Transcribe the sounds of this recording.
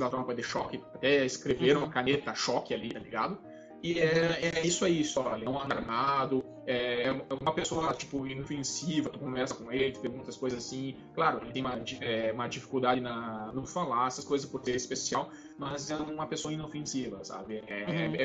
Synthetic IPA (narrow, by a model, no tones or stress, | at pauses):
d̪at̪ɾɐ̃mɐ̃kojɐd̪ɪʃɔkɪat̪ɛɪskɾeveɾũmɐkanet̪ɐʃɔkɪalit̪aliɡa̰d̪ʊ | ɪɛɛisʊɛisʊɔlɪɐ̃ɐ̃aɾmad̪ʊ | ɛɛ̃ɛũmɐpesoɐlat͡ʃi̥pʊĩnofẽsivɐt̪ukõvɛɾsɐkõelɪt̪peɾɡũnt̪ɐskojzɐzasĩ | klaɾʊelɪt̪ẽũmɐd͡ʒiɛũmɐd͡ʒifi̥kuwd̪adɪnɐnʊfalaɛsɐskojzɐspoɾt̪eɾɪspesiaw | mɐzɛũũmɐpesoɐĩnofẽsivɐsa̰bɪɛɛ